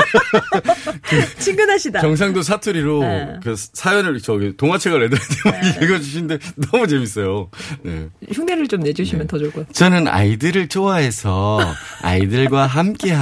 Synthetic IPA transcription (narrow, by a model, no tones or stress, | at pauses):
kɯt͡ɕʰiŋɡɯnɦaɕʰidaʌŋs̬ʰaŋdos̬ʰatʰuɾiɾokɯsʰajʌnɯɭt͡ɕʌɡitoŋat͡ɕʰeɡaɭedɯɾetʰemaɲieɡʌd͡ʑuɕ̬ʰinde̞nʌmut͡ɕe̞mis͈ʌjone̞̰çuŋdenɯɭt͡ɕomne̞d͡ʑuɕʰimjʌntʌd͡ʑʌɭk͈ʰot͡ɕʌnɯna̰idɯɾɯɭt͡ɕʰoaɦe̞sʰʌa̰idɯɭɡwaɦamk͈e̞ɦa